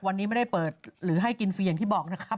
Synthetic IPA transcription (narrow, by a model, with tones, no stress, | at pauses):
wa˧nːiː˦˥ma˥˩da˥˩jpɤː˨˩t̪̚ɾɯː˩˦ɦa˥˩jki˧nfiː˧ja˨˩ŋt̪ʰiː˥˩bɔː˨˩k̚na˦˥kʰa˦˥p̚